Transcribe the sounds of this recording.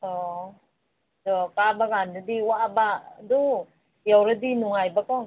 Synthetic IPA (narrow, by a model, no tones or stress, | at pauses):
ɔ | dɔkabaɡandɯdiwaʔbadu | jawɾɯdinuŋajbakɔŋ